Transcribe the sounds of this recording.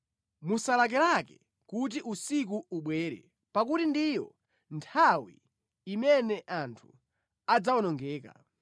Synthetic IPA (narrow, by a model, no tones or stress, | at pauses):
musalak̬ɛlakɛ | kut̬iʔusik̬uuɓwɛːɾɛ̰ | pakutindijɔ | ntʰawḭː | mɛnɛʔantʰu̥ | ad͡zawɔnɔŋɡɛːka̰